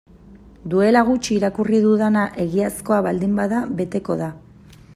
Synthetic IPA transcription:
d̪ue̞laɣ̞ut͡ʃiːɾakuriðuðanaʔe̞ɣiasko̞aβald̪imbaðaβe̞t̪e̞ko̞ða

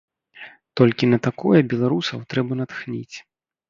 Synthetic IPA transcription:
t̪ɔlʲkʲinɐt̪akɔjɐbʲɛlˠaɾusɐwt̪ɾɛbɐnat̪xnʲḭt͡sʲ

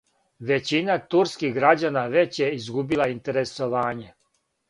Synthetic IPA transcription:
ʋe̞t͡ɕinat̪uɾskiɣɡɾad͡ʑanaʋe̞t͡ɕjeizɡubilaint̪e̞ɾe̞soʋaːɲe

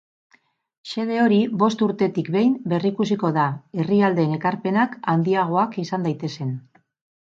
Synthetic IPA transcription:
ʃe̞ðe̞o̞ɾibo̞st̪uɾt̪e̞t̪ikbe̞jmbe̞rikusiko̞ðae̞riald̪e̞ːne̞kaɾpe̞nakand̪iaɣ̞o̞akisand̪ajt̪e̞se̞n

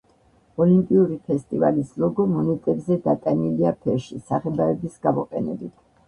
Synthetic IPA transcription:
ɔlimpʼiuɾipʰɛst̪ʼivalislɔɡɔmɔnɛt̪ʼɛbzɛd̪at̪ʼaniliapʰɛɾʃisaχɛd̪aɛbisɡamɔqʼɛnɛ̰bit̪ʰ

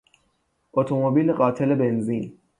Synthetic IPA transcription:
ʔot̪ʰomobiːleɢɒːt̪ʰelebenziːn

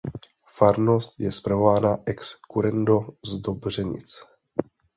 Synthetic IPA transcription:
faɾno̞st̪jɛspɾavovaːnaʔɛkskuɾɛndozd̪obr̝ɛɲɪ̰t͡s

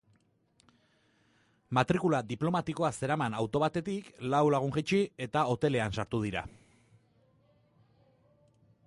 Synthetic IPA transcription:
mat̪ɾikulad̪iplo̞mat̪iko̞ase̞ɾamanawt̪o̞β̞at̪e̞t̪iklawlaɣ̞uŋxit͡ʃie̞t̪ao̞t̪e̞le̞ansaɾt̪uð̞iɾa̰

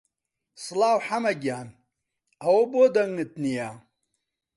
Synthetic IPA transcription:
slaːwħamɐɡjaːn | ɐwobod̪ɐŋɨt̪nijaː

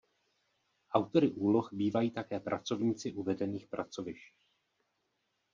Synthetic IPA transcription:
ʔawt̪o̞ɾɪʔuːlo̞xbiːvajiːt̪akɛːpɾʔa̰t͡so̞vɲiːt͡sɪʔuvɛdɛniːxpɾʔat͡so̞vɪʃci

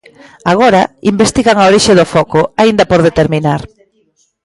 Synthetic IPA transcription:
aɣ̞oɾaimbest̪iɣaŋaoɾiʃeðʊfɔkʊaind̪ɐpoɾðet̪eɾmĩnaɾ

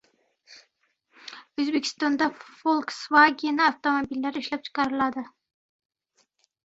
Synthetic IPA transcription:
ɵzbekʲʰɪ̥st̪ond̪afolˠksvaɡʲenɪaft̪omobilːaɾɪʃlap̚t͡ʃʰɨ̥qʰɑɾɪlad̪ɪ

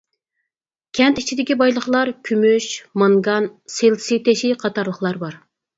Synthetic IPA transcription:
kʲʰɛnt̪i̥t͡ʃʰid̪ɪkʲibɑjlˠəχlˠɑɾkʲʰymyʃmɑŋɡɑnselsit̪eʃiqʰɑt̪ɑɾlˠəχlˠɑɾbɑɾ

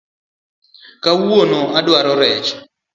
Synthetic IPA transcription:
kawonoadwaɾɔɾɛt͡ʃ

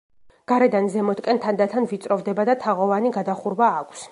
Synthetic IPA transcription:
ɡ̥aɾɛd̪anzɛmɔt̪kʼɛnt̪ʰand̪at̪ʰanvit̪sʼɾɔvd̪ɛbad̪at̪ʰaʁɔvaniɡad̪aχuɾbaːkʷʰs

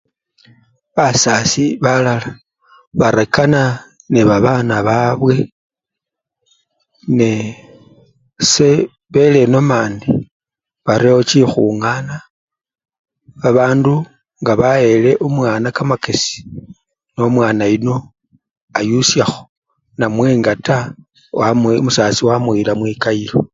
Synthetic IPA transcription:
βasasiβalala | βaɾekana | neβaβanaβaβwe̞ | ne | se̞ | βe̞le̞no̞maːndi | βaɾeot͡ʃixuŋana | βaβaːndu | ŋɡaβae̞le̞ʔumwaːnakamakesi̥ | no̞mwaːnaino̞ | ajusjaxo̥ | namweːŋɡata | wammusat͡siwamuilamwikailo

